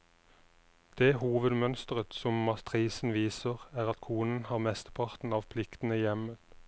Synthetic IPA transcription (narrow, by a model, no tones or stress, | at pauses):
d̪̥eːhuːʋəd̪mœnst̪əʁət̪sɔmmɑt̪ʰʁiːsn̩ʋiːsəʁæːʁɑt̪kʰuːnənhɑːʁmɛst̪ə̥pʰɑʁt̪n̩ɑːʋpʰlɪkt̪n̩əjɛmət̪